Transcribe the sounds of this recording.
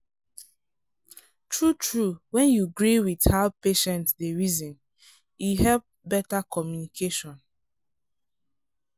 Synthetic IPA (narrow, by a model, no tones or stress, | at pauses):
tɹutɹuwɛ̃njuɡɹiwið̥haʊpeʃɛ̃ntdeɹizɔ̃n | jiɦɛlp̚ | bɛtakʰɔmjunikʰeʃɔ̃n